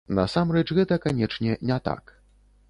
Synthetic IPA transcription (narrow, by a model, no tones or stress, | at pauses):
nɐ̰samrɛt͡ʂɣɛt̪ɐkanʲɛt͡ʂnʲɛnʲɛt̪a̰k